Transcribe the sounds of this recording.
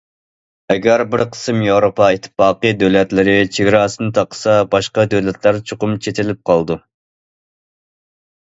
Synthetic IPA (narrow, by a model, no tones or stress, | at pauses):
ɛɡʲæɾbɪɾqʰə̥sɨmjewɾopɑet̪ʰːɪ̥fɑːqɨd̪øwlɛt̪lɪɾɪt͡ʃʰeɡʲɾɑːsɨnɨt̪ʰɑqʰə̥sɑbɑʃqɑd̪øwlɛt̪ʰlæɾt͡ʃʰoqʊmt͡ʃʰet̪ʰɪlɪp̚qʰɑlˠd̪u